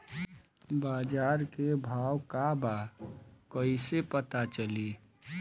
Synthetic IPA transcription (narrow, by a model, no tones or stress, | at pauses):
bad͡ʒaɾkebʱawkaba | kəɪsepət̪at͡ʃəli